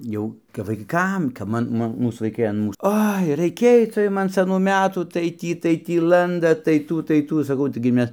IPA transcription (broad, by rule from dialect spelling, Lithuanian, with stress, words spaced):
ˈjɛʊ kɐp ʋɐɪˈkɐm kɐp ˈmɐ ˈmʊ ˈmuːs ʋɐɪˈkɐɪ ɐn muːs ˈoːɪ rɐɪˈkʲeːj t͡sɐ ˈjʊm ɐn sɐˈnuː ˈmʲæːtuː tɐɪ ˈtʲiː tɐɪ ˈtʲiː ˈlˠɐndɐt tɐɪ ˈtuː tɐɪ ˈtuː sɐˈkɐʊ tɐɪˈɡʲɪ ˈmʲɛs